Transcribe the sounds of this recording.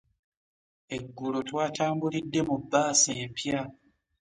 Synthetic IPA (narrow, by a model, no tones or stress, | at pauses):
e̞ɡːulo̞twaːtaːmbulidːe̞mubːaːseːmpja